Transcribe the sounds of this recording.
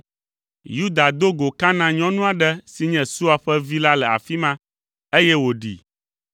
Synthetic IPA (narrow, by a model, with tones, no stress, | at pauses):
ju˦d̪a˨d̪o˦ɡo˨ka˦nã˨ɲɔ̃˦nũ˦a˨ɖɛ˦si˨ɲɛ̃˨su˦a˨ɸɛ˦vi˦la˦lɛ˨a̰˨fi˦mã˦ | e˦jɛ˦wo˨ɖḭ˨